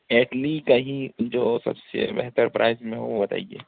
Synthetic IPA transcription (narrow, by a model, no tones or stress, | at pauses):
eːʈlikaɦid͡ʒoːsɐ̰bsḛbɛ̰ɦt̪əɾpɾʔaːɪzmẽɦo̰obɐt̪a̰ːieː